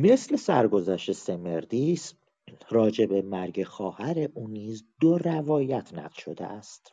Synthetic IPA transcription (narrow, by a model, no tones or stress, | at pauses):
me̞sle̞sæɾɡo̞zæʃt̪eseme̞ɾd̪is | ɾɒːd͡ʒe̞be̞mæɾɟe̞xɒːhæɾeʔuːniːzd̪orævɒːjæt̪ʰnæ̰ɢlʃo̞d̪ḛʔæst̪